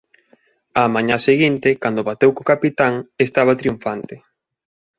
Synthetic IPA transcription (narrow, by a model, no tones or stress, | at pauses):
amãɲaseɣint̪ekand̪oβat̪ewkokapit̪aŋest̪aβat̪ɾiuɱfant̪ɪ